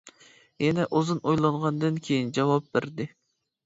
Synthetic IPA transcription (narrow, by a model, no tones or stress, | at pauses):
jɛnɛʔozɨnojlˠɑɴʁɑnd̪ɨnkʲʰejind͡ʒɑwɑp̚beɾd̪ɪ